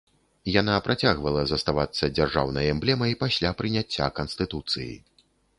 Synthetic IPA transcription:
janapɾʔat͡sʲaɣvɐlˠɐzɐst̪avat̪sːɐd͡zʲarʐa̰wnɐjɛmblʲɛmɐjpasʲlʲapɾɨnʲat͡sʲːa̰kɐnst̪ɨt̪ut̪sɨ̰jḭ

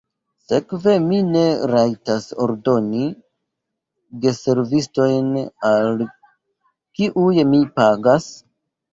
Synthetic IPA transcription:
se̞kve̞mine̞ɾajtaso̞̰ɾdo̞ni | de̞se̞ɾvisto̞jnal | kiʔujmipaɡas

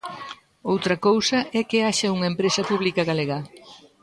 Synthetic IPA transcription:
owt̪ɾɐkowsɐʔɛkɪaʃɐuŋɐempɾesɐpuβlikɐɣaleɣa

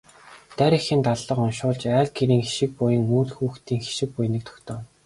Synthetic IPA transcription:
t̪æɾʲĭxɘ̆nt̪aɮːə̆qʊnʃʊːɮt͡ɕæːɮɡiɾiːŋxi̥ʃɪ̆k̚pʊjə̆ŋuːt̪xuːxt̪ʰiːŋxi̥ʃɪ̆k̚pʊjnĭk̚t̪ʰɔ̥kt̪ʰɔ̆ːn

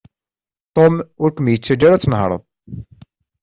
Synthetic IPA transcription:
t̪ˤomʊɾkʷəmjət͡sːæd͡ʒaɾat͡sːənɦɾˤə̰ðˤ

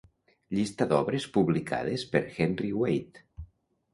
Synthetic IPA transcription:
ʎist̪aðɔβɾespuβlikʰa̰ð̞espeɾxɛnriwejt̪

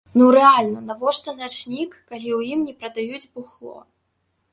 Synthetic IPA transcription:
nuɾɛalʲnɐnɐvɔʂt̪ɔnɐʂnʲikːalʲiwjimnʲɛpɾɐd̪ajud͡zʲbuxlˠɔ̰

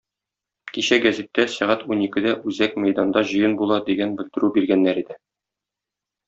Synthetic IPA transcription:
kiɕæɡæzit̪ːæsæʁæt̪unikɘ̆d̪æʔʉzækmæjd̪ɑnd̪ɑʑɤ̆jɤnbulˠɑd̪iɡænbɘ̆ld̪ɘ̆ɾʉbiɾɡænːæɾid̪ɘ

